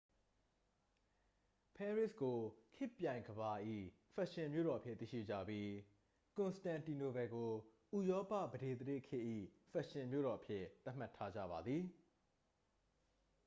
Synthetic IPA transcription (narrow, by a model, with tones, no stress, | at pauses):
pʰɛ˦ɹɪ˦˨sɡo˨kʰɪ˦˨pjã˨ɪ̃ŋɡəba˨ʔḭ˦˨ | fa˦˨ʔʃɪ̃˨mjo̰˦˨ɾɔ˨ʔəpʰjɪ˦t̪ḭ˦˨ʃḭ˦˨d͡ʑä̰˦˨bji˦ | kʊ̃˨nstã˨nti˨no˨bɛ˨ɡo˨ | ʔu˨jɔ˦pä̰˦˨bəde˨d̪əɾḛ˦˨kʰɪ˦ʔḭ˦˨ | fa˦ʔʃɪ̃˨mjo̰˦˨ɾɔ˨ʔəpʰjɪ˦t̪a˦ʔm̥a˦˨tʰa˦d͡ʑä̰˦˨ba˨d̪ði˨